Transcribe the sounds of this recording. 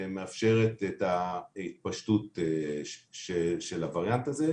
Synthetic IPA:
meafʃe̞ʁet̪etait̚paʃtut | ʃeʃelavaʁjantaze

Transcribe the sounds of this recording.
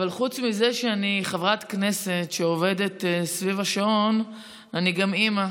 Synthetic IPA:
valχut͡smize̞ʃeaniχavʁat̪kne̞se̞tʃeove̞de̞tsvivaʃaon | aniɡamima

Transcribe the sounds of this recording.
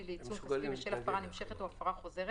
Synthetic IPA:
ileit͡sumaimeʃelafpaʁanimʃeχetuafaʁaχo̞ze̞ʁ

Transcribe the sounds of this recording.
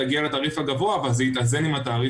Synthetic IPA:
aɡialetaːʁifhaɡavo̞aːvalzeit̪azenimataːʁi

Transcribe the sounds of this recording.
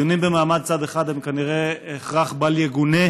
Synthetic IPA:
onimbemaːmad̪̚t͡sad̪eχad̪hemkaniʁeeχʁaχbaljeɡune

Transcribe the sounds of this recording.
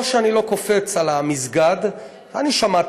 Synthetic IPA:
vʃeanilo̞ko̞fe̞t͡salamizɡad̪ | aniʃamat

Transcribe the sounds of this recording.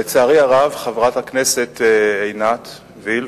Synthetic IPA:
et͡saːʁiaʁavχavʁat̪hakne̞se̞t̪ejnat̪ | vil

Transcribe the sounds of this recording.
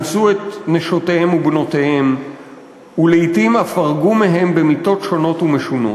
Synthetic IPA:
suetneʃo̞tehe̞mubno̞tehe̞m | uleitimafaʁɡumeɦe̞mbe̞mito̞tʃo̞no̞tumeʃuno̰

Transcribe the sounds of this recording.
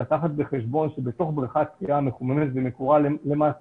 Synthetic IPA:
at̪aχat̪̚beχeʃbo̞nʃebe̞t̪o̞χbʁiχat̪kiʔameχumemet̪vemekuʁallema

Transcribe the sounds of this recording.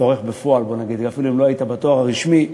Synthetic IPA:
oʁe̞χbefo̞albo̞naɡid̪kafiluimloait̪abat̪oaʁaʁiʃmi

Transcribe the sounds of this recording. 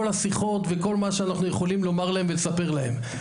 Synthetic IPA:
olasiχo̞t̪ve̞ko̞lmaʃeanaχnuje̞χo̞limlo̞maʁlae̞mvelesape̞ʁlahe̞̰m

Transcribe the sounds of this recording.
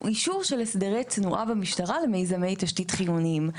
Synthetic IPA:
iʃuʁʃe̞lesdeʁejt͡snuʔabamiʃtaʁalemejzame̞jtaʃtitχijunim

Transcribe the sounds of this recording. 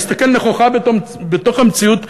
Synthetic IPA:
st̪akelneχoχabe | bet̪o̞χamt͡siut̪

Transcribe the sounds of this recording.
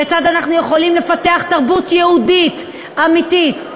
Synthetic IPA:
et͡sad̪anaχnujeχo̞limle̞fateaχt̪aʁbutjeudit | amit̪it

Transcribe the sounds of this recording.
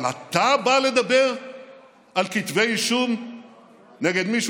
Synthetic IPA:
la̰t̪abale̞d̪abe̞ʁ | alkit̪vejiʃum | neɡe̞d̪miʃ

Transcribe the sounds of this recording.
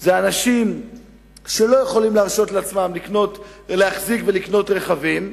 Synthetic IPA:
zeanaʃim | ʃe̞lo̞jeχo̞limleaʁʃo̞tleat͡smamlikno̞tlehaχzikvelikno̞t̪ʁe̞χavim

